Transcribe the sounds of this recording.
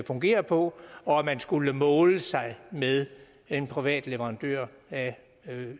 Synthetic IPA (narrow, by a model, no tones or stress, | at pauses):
fɔ̽ŋɡ̥e̝̰ːɐpʰɒ̽ɒ̽æmænsɡ̥uləmɔːləsɑ̈ɪmeðˠ | e̝npʰʁiʋɛ̰ːd̥le̝ʋəʁɑ̈nd̥ø̰ɐ̰ | æ